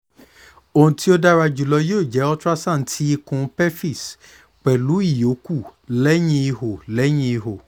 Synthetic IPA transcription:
o˨ũ˨ti˦o˦da˦ɾa˧d͡ʒu˨lɔ˧joː˦˨d͡ʒɛ˨˦ɔ˦ta˦sã˦˨˦tʰi˦i˧kũ˧˦pɛ˦fi˦˨s | k͡pɛ˨lu˨˦i˦˨jo˨˦ku˦˨lɛ˦j̃ĩ˧i˧ho˨lɛ˨˦j̃ĩ˧i˧ho˨

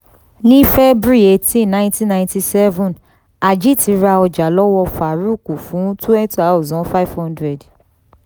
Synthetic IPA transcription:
nĩ˦fɛ˦bɾi˦e˦˨tĩ˦nã˦ntĩ˦nã˧ĩ˧nti˧sɛ˦vɔ̃˨n | a˨d͡ʒi˦ti˨˧˦ɾa˧ɔ˧d͡ʒa˨lɔ˦wɔ˧fa˨ɾu˦˨ku˨fũ˨˦tu˦ɛ˦ta˨˦o˦˨zɔ̃˨˦fa˦i˦˨vhɔ̃˦ndɾɛ˨d

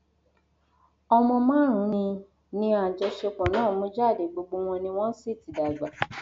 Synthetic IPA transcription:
ɔ˧mɔ̃˧mã˦ɾ̃ũ˨˦nĩ˧ | nĩ˧a˨d͡ʒɛ˧ʃe˧˦k͡pɔ̃˨nãː˦˨˦mũ˧˦d͡ʒa˦˨de˨ɡ͡bo˧ɡ͡bo˧w̃ɔ̃˧nĩ˧w̃ɔ̃˦si˦˨ti˨da˨ɡ͡ba˨

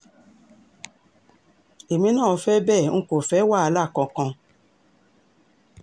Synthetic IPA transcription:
e˨mĩ˧˦nãː˦˨˧fɛ˦bɛ˦˨ŋ̩˧ko˨fɛ˨˦wa˦˨a˧la˦˨kã˧kã˧

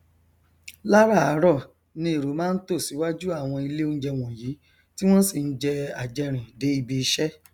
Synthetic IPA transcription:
la˦ɾa˦˨a˨˦ɾɔ˦˨ | nĩ˧i˨ɾo˨˦mãː˦n̩˦to˦˨si˨˦wa˦d͡ʒu˦a˦˨w̃ɔ̃˧i˧le˦o˦n̩˦d͡ʒɛ˧w̃ɔ̃˨ji˨˦ | ti˦w̃ɔ̃˦si˦˨n̩˦d͡ʒɛ˧a˨d͡ʒɛ˧ɾ̃ĩ˨de˨˦i˧bi˧i˧˦ʃɛ˦

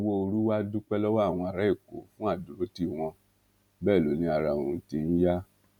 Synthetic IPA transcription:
wo˧o˧ɾu˦wa˦du˦k͡pɛ˦lɔ˦wa˦˨w̃ɔ̃˧a˨ɾa˦i˦˨ko̰˨˦fũ˦a˦˨du˨ɾo˦ti˦˨w̃ɔ̃˧ | bɛː˦˨lo˨˦nĩ˧a˧˨ɾa˨ṵ̃˨˦ti˧n̩˦ja˦

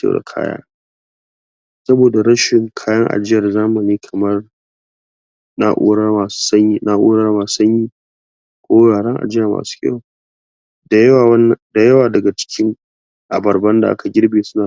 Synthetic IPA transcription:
kḛ˦ɽa̰˨kʰa̰ː˦ja̰ː˦ | sɐ˦boː˨da˨ɽɐ˦ʃɪ˨ŋkʰaː˦jɐ˦ŋʔa̰˨d͡ʒɪ˦jɐ˨rzaː˦mɐ˨niː˦kʰɐ˨mɐ˦r | na̰˦ʔṵː˦ɽa˦a˨ssɐ˦i˦na˦ʔoː˦ɽa˦maː˨˦sɐ˦ɲjiː˦ | kʷoː˦jaː˨ɽɐ˦ŋʔa̰˨d͡ʒɪ˦jɐ˨ma̰ː˨su̥ː˦kʲʼɐ̰˦wo˨ | da˨˦˨n˨da˨jɐ˦waː˨dɐ˨ɡa˨t͡ʃɪ̥˦kʲɪ˦ŋ | ʔa˨bɐ˨rbɐ˦nda˨ʔa̰˦ka˨ɡʲɪ˦ɽbeː˨sʊ˦naː˨

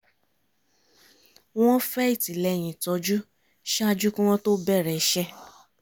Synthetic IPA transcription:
w̃ɔ̃˦fɛ˦i˦˨ti˨lɛ˧˦˨j̃ĩ˨tɔ˧d͡ʒu˦ | ʃɛ˦a˦˧d͡ʒu˦kũ˦w̃ɔ̃˦to˦bɛ˦˨ɾɛ˨˦ʃɛ˦

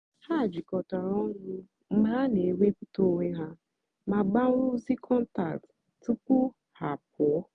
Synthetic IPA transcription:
ha˦˨d͡ʒi˨kɔ˨ta˨ɾɔ˦ŋʊ˦ | m̩˦ɦa˦ne˨we˦ku˦to˦we˦ɦa˦ | ma˨ɡ͡ba˦ɾʊ˦zi˦kʰɔ˦n̩˦ta̰˨k̚t | tu˦kʊ˦ | ha˨p̚ɔ˦

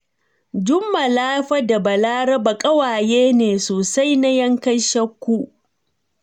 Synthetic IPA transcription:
d͡ʒʊ˦mːa˨laː˦ɸɐ˦da˨bɐ˨laː˦ɽɐ˦ba˨kʼɐ˦waː˨jeː˦neː˨soː˨sa˦jna˦jɐ˦ŋkɐ˦nʃɐ˦kʷːu˦

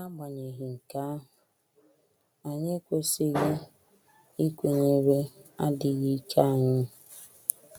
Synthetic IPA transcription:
a˦ɡ͡ba˨ɲe˨ɦɪ˨ŋ̩˨ka˨˦a˦ɦʊ˨ | a˨ɲe˦kʷe˦sɪ˦ɣɪ˦ | i˦kʷe˨ɲe˦ɾe˦a˦dɪ˨ɣi˦kʰa˦˨ɲɪ˦

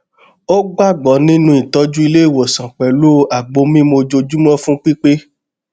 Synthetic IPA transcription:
o˦ɡ͡ba˦˨ɡ͡bɔ˨˦nĩ˦nũ˦i˨tɔ˨˧˦d͡ʒu˦i˧le˦i˨wo˨sã˨k͡pɛ˨lo˦˨a˨ɡ͡bo˧˦mĩ˦mo˧d͡ʒo˧d͡ʒu˦mɔ̃˦fũ˦k͡pi˦k͡pe˦

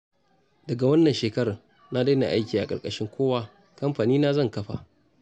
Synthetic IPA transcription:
dɐ˨ɡa˨wɐ˦nːɐ˨nʃeː˨kɐ˦ɾa˨ | na˦da˦jna̰˨ʔa˦jkʲiː˨ʔa˨kʼɐ̰˨kʼɐ˦ʃɪ˦ŋkʷoː˦waː˦ | kɐ˦mɸaː˨niː˦na˦zɐ˦˨ŋkɐ˦ɸa̰˨ʔ

